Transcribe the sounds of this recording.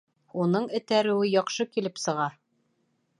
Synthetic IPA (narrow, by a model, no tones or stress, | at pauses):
unɤɴɘ̆t̪æɾɘ̆wɘjɒqʃɤkilɘpsɤ̆ʁɑɾ